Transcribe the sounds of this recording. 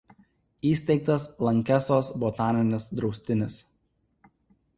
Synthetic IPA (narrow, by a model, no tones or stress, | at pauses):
iːsʲt̪ʲɛɪk̚t̪ɐslˠɐŋʲkʲæsoːsbɔt̪ɑːnʲɪnʲɪsd̪ɾɒʊsʲt̪ʲɪnʲɪs